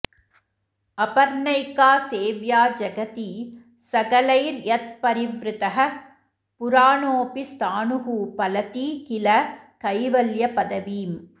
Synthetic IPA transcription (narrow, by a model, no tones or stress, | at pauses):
ɐpɐɾnɐɪkaːseːʋjaːd͡ʒɐɡɐt̪i | sɐɣɐlɐɪɾjɐt̪̚pɐɾɪʋɾɯt̪ɐɦɐ | pʊɾaːnoːpist̪aːnʊɦuːpɐlɐt̪ikɪlɐkɐɪʋɐljɐpɐðɐʋiːm